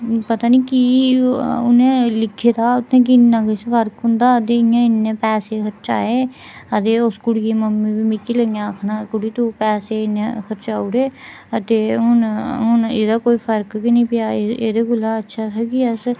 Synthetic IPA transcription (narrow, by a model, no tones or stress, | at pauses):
pət̪aːniːkiː | ʊ̰nẽːlɪkʰːeːd̪aːʊt̪ʰːẽːk̬ɪɪnːãːkɪsfəɾkɦʊ̃nd̪aːət̪eːɪãːɪnːẽːpɛːseːkʰəɾt͡ʃa̰ːeː | ət̪eːʊskʊɽiːeməmːĩːbiːmɪkiləŋãəkʰnaːkʊɽiːt̪upɛːseːɪnːẽkʰəɾt͡ʃaːʊɽeː | ət̪eːɦʊnɦʊnḛːd̪aːkoːiːpʰəɾkkinĩːpɪjaːḛːd̪eːɡʊlːaːətːʃʰaːt̪ʰaːkiəs